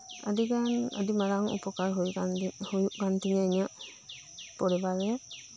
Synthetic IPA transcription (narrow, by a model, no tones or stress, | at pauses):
a̰d̪iɡanə̰d̪imaɾaŋṵpɔkaɾɦujhujuʔɡant̪iɲaɲaʔ | pɔɽɛbaɾɛ